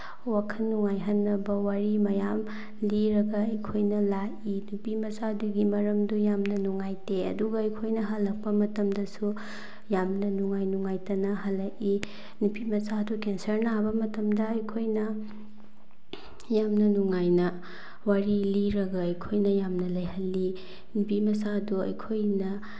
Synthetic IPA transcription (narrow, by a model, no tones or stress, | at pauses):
wakʰɐnːuŋajɦɐnːɐbɐwaɾimɐjam | liɾɐɡɐɐjkʰojnɐlaʔinupimɐsaduɡimɐɾɐmdujamnɐnuŋajteɐ̰duɡɐɐjkʰojnɐɦɐlːɐk̚pɐmɐtɐmdɐsu | jamnɐnuŋajnuŋajtɐnɐɦɐlːɐʔi | nupimɐsadukensɐɾnabɐmɐtɐmdɐɐjkʰojnɐ | jamnɐnuŋajnɐ | waɾiliɾɐɡɐɐjkʰojnɐjamnɐlɐjhɐlːi | nupimɐsaduɐ̰jkʰojnɐ